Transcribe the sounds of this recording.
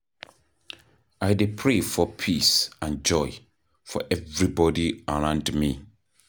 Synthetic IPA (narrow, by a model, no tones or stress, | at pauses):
aɪdepʰɹefɔpʰisãnd͡ʒɔɪ | fɔ̰ʔɛvɹibɔdiəɹãʊ̃ndmi